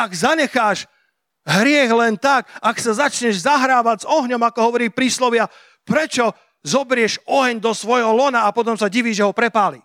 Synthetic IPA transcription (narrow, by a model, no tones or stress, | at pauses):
aɡzaɲɛxaːʃ | ɦɾɪɛɣlɛnt̪akaksazat͡ʃɲɛʒzaɦɾaːʋaɟzɔɦɲɔmakɔɦɔʋɔɾiːpɾiːslɔʋɪa | pɾɛt͡ʃɔ | zɔbɾɪɛʃɔɦɛɲd̪ɔsʋɔjɦɔlɔnaːpɔt̪̬ɔmsaɟiʋiːʒɛɦɔpɾɛpaːli